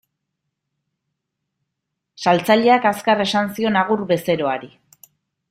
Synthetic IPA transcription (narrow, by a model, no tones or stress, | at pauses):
salt͡saʎe̞akaskare̞sansio̞naɣ̞urbe̞se̞ɾo̞aɾi